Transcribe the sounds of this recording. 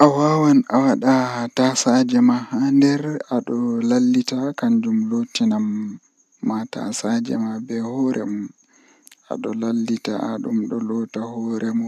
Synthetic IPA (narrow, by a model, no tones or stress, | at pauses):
ʔawawanʔawaɗatasad͡ʒɛmahandɛɾaɗɔlalːitakaɲd͡ʒumlotinamː | ata̰sad͡ʒɛ̰mabɛhɔɾʔɛ̰mɔ | ʔa̰ɗɔlalːita̰aɗumɗɔlɔtahɔɾɛmɔ